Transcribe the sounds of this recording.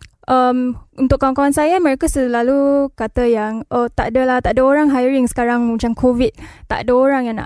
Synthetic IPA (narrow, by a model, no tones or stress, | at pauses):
ʔəmunt̪ʊkːawankawansajaməɾekasəlalukat̪əjaŋʔət̪a̰ʔdəlaht̪aʔdəoɾaŋɦajɾiŋsə̥kaɾaŋmət͡ʃaŋkʰovit̪̚t̪a̰ʔdəoɾaŋjaŋna̰